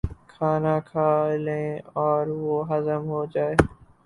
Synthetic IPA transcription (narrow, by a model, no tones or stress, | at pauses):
kʰaːnakʰaːɪlẽːɔːɾʋoɦəzəmɦoːd͡ʒaːeː